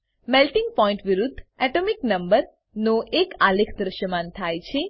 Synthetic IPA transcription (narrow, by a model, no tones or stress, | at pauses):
melʈɪŋɡ̚pɔĩɳʈʋiɾud̪ʱːɛʈomiknəmbəɾ | noʔekalekʰd̪ɾəʃjəmant̪ʰajt͡ʃʰe